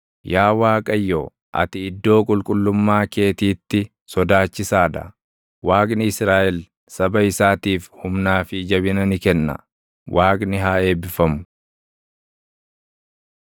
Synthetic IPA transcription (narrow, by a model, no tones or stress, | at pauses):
jaːwaːkʼɐjːo̰ː | ʔɐ̰t̪ɪɪd̪ːo̞ːkʼʊlkʼʊlːʊmːaːke̞ːt̪iːt̪ːɪ | sɔd̪aːt͡ʃːɪsaːd̪ɐ̰ | waːkʼnɪɪsɾaːʔɛl | sɐbɐɪsaːt̪iːfhʊmnaːfɪd͡ʒɐbɪnɐnɪkɛnːɐ̰ | wʔaːkʼnɪɦaːe̞ːbɪfɐmʊ̥